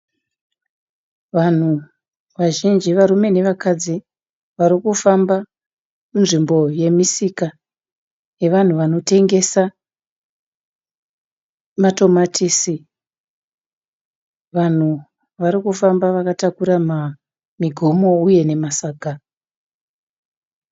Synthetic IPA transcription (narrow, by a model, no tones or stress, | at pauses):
ʋan̤u | ʋaʒind͡ʒiʋaɾume̞ne̞ʋakad͡zi | ʋaɾikufamba | munʐimbo̞je̞misika | je̞ʋan̤uʋano̞te̞ŋɡe̞sa | mato̞matʰisi | ʋan̤u | ʋaɾikufambaʋakatakuɾama | miɡʱo̞mo̞uje̞ne̞masaːɡʱa